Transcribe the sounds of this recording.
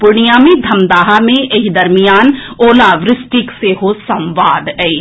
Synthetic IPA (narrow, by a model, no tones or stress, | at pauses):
pʊɽijaːmẽd̪ʱɐmd̪aːɦamẽʔeɦid̪ɐɾmijaːnoːlaʋɾɪsʈɪkseɦosɐ̃mʋaːd̪ɛi